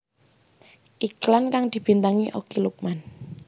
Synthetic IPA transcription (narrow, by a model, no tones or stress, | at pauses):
ʔiklankaŋd̪̥i̤b̥i̤nt̪aŋiʔokiluk̚man